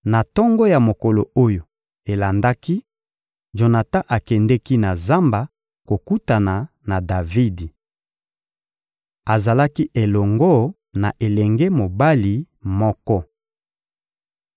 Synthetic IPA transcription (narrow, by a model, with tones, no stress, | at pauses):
na˨tɔ˦ŋɡɔ˦ja˨mo˨ko˨lo˨o˦jo˨ | e˨la˨nda˦ki˦ | ʒo˨na˨ta˦ʔa˨kɛ˨ndɛ˦ki˦na˨za˦mba˨ | ko˨ku˦ta˨na˨ | na˨da˨vi˦di˨ | a˨za˨la˦ki˦ʔe˨lɔ˨ŋɡɔ˦ | na̰˨ʔe˨lɛ˨ŋɡɛ˦mo˨ba˦li˨ | mɔ˦kɔ˦